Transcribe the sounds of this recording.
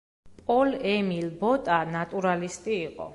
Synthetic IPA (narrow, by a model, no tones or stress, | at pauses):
pʼɔlɛmilbɔt̪ʼanat̪ʼuɾalist̪ʼiːqʼɔ̰